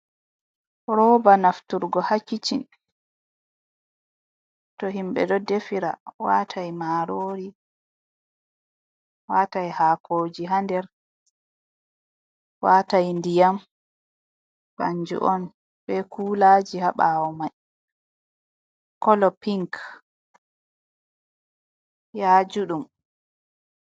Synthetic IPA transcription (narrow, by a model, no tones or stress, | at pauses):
ɾɔbanaftuɾɡɔhakːit͡ʃin | tɔɦimbɛ̰dɔdefiɾa̰watʰajmaːɾoːɾi | waːtajhaːkʰoːd͡ʒiɦandɛɾ | waːtajndijam | ba̰ɲd͡ʒṵʔɔn | bɛkuːlad͡ʒihaɓaːwɔmaj | kɔlɔpiŋk | jaːd͡ʒuɗum